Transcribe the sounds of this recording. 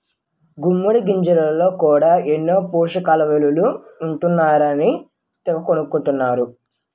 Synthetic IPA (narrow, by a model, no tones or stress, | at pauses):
ɡumːuɽiɡiɲd͡ʒɐlɐlɐlo̞ːkuːɽaːenːo̞ːpuːʃɐkaːlɐʋeluluːɳʈunːaːɾɐni | t̪ɛʋɐkonukuɳʈunːaːɾu